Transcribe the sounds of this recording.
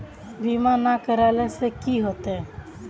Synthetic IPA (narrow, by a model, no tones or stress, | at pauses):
biːmãnakəɾalɛsekiːɦot̪ɛː